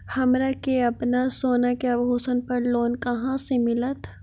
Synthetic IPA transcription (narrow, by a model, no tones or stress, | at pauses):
hɐmɾakeɐpnasoːnakabʱɦoːsənpɐɾloːnkɐɦãsemɪlət̪ʰ